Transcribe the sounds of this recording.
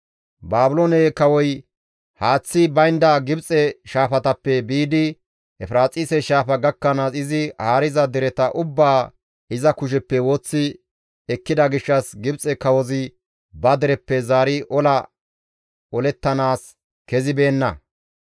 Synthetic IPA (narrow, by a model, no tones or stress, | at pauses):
baːbʊlonɛːkɐwɔj | haːt͡sːɪbɐjnd̪aɡɪbt͡sʼɛʃaːfɐt̪ɐpːɛbiːd̪ɪ | ʔɛfɾaːt͡sʼiːsɛʃaːfɐɡɐkːɐnasɪzɪhaːɾɪzɐd̪ɛɾɛt̪ɐʔʊbːaː | ɪzɐkʊʃ̬ɛpːɛwoːt͡sːɪ | ɛkːɪd̪ɐɡɪʃːɐsɡɪbt͡sʼɛkɐwɔzɪ | bɐd̪ɛɾɛpːɛzaːɾɪʔɔlɐ | ɔlɛt̪ːɐnaːs | kɛzɪbe̞ːnːɐ̰